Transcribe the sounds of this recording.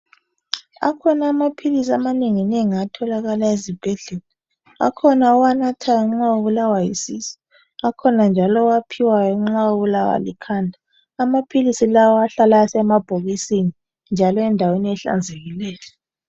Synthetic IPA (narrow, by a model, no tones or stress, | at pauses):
a̰kʰɔnaːmapʰilisiamaneŋineŋiatʰɔlaɣalaezib̥ʱɛɮɛla | a̰kʰɔnaɔwanatʰajaŋ͡ǁaoβulawajisisi̥ | akʰɔnand͡ʒʱalɔwapʰiwajɔŋ͡ǁaoβulawa̰likʰaːndʱaː | mapʰilisilawɔaɬalajsɛmab̥ʱoɣisini | nd͡ʒʱalɔɛndʱaweniɛɬa̰nd͡zʱeɣilɛːlɛ